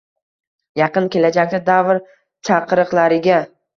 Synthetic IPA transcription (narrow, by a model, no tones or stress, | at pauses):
jɑqɨnkʲe̞lad͡ʒak̚ʲd̪ad̪avɾ | t͡ʃʰaqɨɾɨqlˠaɾɪɡʲa